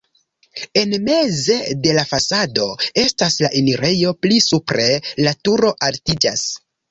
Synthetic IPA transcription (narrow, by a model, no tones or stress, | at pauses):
e̞nme̞ze̞de̞lafasado̞e̞staslaʔiniɾe̞jo̞plisupɾe̞latuɾo̞ʔaltid͡ʒas